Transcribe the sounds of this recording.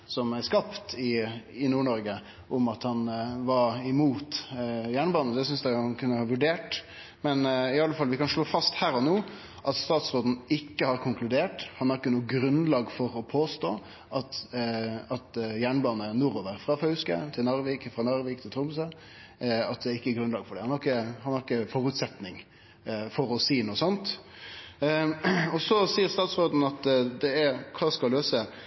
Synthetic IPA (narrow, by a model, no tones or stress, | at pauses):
sɔmæɾskɑpt̪ʰɪɪnuːɳɔɾɡə | ʔʊmɑt̪hɑnʋɑɾɪmuːt̪jæːɳbɑːnəsɛæsʏnsd̪ænkʰʉnːəhɑːʋʉɖeːʈ | mɛnɪɑlːəfɑlːəʋɪkɑnʂɭoːfɑst̪hæːɾɔnoː | ʔɑt̪st̪ɑːt̪sɾoːd̪n̩ɪkːəhɑɾkʰʊŋklʉd̪eːʈhɑnæɾɪkːənuːɡɾʉnlɑːɡfɔɾɔpʰoːst̪oː | ʔɑt̪ | ɑt̪jæːɳbɑːnənuɾoʋəɾfɾɑfœʉskə̰t̪ʰɪlnɑɾʋiːkfɾɑnɑɾʋɪːk̚t̪ʰɪlt̪ʰɾʊmsə | ɑt̪̚d̪ɛɪkːəɡɾʉnlɑːɡfɔɖɛhɑnkːəhɑnɑɾɪkːəfɔɾʉt̪sɛt̪nɪŋ | fɔɾɔsiːnuːəsɔnt̪ | ɔsɔsiːəɾst̪ɑːt̪sɾoːd̪n̩ɑt̪d̪ɛæɾkʰɑːskɑlløːsə